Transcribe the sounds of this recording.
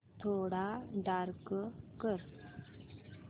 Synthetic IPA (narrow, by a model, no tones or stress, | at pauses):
t̪ʰoɽaɖaɾkkəɾ